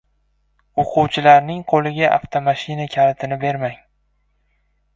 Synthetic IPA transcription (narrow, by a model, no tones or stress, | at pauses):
oqʰʊwt͡ʃʰɪlaɾnɪŋqʰolˠɪɡʲaʔa̰ft̪ʰomaʃɪnakʲʰalɪt̪ʰɪnɪbe̞ɾmaŋ